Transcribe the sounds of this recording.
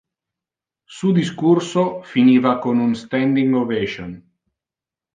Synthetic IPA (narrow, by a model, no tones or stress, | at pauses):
sud̪iskursofiniːvakonunst̪ɛnd̪iŋɡovɛʒon